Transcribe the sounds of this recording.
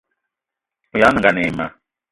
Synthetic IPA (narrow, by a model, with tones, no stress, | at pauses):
u˨ja˦nə̃˨ɡa˨ne˨ma̰˨